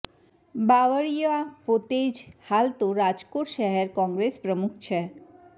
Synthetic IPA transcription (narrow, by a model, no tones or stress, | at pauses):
baʋəɭijəapot̪ed͡ʒhalt̪oɾad͡ʒkoʈʃəɦeɾkɔ̃ŋɡɾespɾəmukʰt͡ʃʰɛ